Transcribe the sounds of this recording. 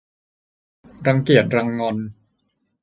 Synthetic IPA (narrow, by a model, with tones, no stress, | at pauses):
ɾa˧ŋki˨˩ət̪̚ɾa˧ŋːɔ˧n